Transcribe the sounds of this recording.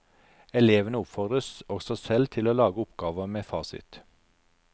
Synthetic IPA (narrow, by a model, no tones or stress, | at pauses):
ɛleːʋənəʊpfɔʁd̪ʁəsɔɡsɔsɛlt̪ʰɪloːlɑːɡəʊpɡ̥ɑːʋəmeːfɑːsɪ̰t̪